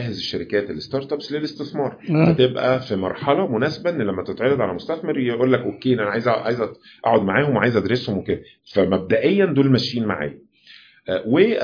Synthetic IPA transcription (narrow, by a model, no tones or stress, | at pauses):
hezeʃːæɾikæːt̪elːest̪ɑɾˤt̪ˤɑpslelest̪eθmɑːɾˤhæt̪ebʔæfimɑ̰ɾˤħɑlɑmonæːsebæʔenːlæmːæt̪et̪ʕejɑd̪ʕalæmost̪æθmeɾjeʔuːlːækʔokːeːʔenʔænæʕajezæʕa̰ːjzæ | ʔa̰ʕod̪̚maʕaːhomweʕa̰jezʔæd̪ɾeshomweked̪æ | fæmæb̚d̪æʔejːænd̪oːlmæʃiːnma̰ʕa̰ː | we